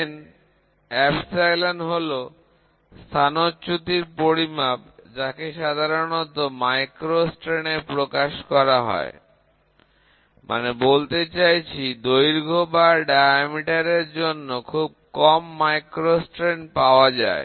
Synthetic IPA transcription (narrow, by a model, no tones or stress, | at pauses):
n | ɛpsajlanɦolo | st̪ʰanot͡ɕut̪iɾpoɾimabd͡ʑakeʃad̪ʱaɾonot̪omajkɾosʈɾeneɾpɾokaʃkɔɾaɦɔ̰e | mʔa̰nebolt̪et͡ɕajt͡ɕʰid̪ojɾɡʱobaɾɖajamiʈaɾeɾd͡ʑonːokʰub̚kɔmːajkɾosʈɾenpaoad͡ʑa̰e